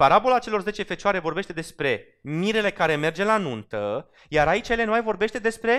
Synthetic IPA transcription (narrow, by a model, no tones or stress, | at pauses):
paɾabo̞lat͡ʃe̞lo̞rze̞t͡ʃe̞fe̞t͡ʃaɾe̞vo̞rbe̞ʃt̪e̞d̪e̞spɾe̞ | miɾe̞le̞kaɾe̞me̞rd͡ʒe̞lanunt̪ə | jaɾait͡ʃjele̞numajvo̞rbe̞ʃt̪e̞d̪e̞spɾe̞